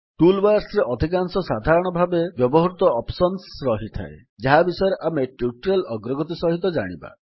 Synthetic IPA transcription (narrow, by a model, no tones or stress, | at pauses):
ʈulbaɾsɾeʔɔd̪ʱikansɔsad̪ʱaɾɔɽ̃ɔbʱabebjɔbɔɦɾut̪ɔɔpsɔnsɾɔɦit̪ʰa̰e | d͡ʒaɦabisɔjɔɾeʔameʈuʈuɾelɔɡɾɔɡɔt̪̬isɔɦit̪ɔd͡ʒa̰ɽ̃iba̰